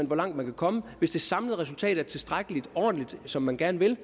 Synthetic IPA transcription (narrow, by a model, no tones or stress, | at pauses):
ænʋɒ̽lɑ̈ŋ̰d̥mænkʰækʰɒ̽məʋe̝sd̥e̝sɑ̈mləð̩ˠʁɛsult͡sʰɛ̰ːd̥̩ˠæɐt͡sʰe̝lsd̥ʁaɡ̥əlid̥ɒ̰ːd̥n̩lid̥sɒ̽mːænɡ̥æɐnəʋe̝l